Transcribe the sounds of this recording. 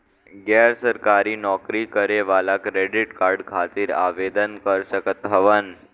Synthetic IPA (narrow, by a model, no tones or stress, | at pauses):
ɡɛɾsəɾkaɾiːnɔkɾikəɾeʋalakɾeɖiʈkaɾɖkʰat̪iːɾa̰ʋed̪ənkəɾsəkət̪ɦəʋən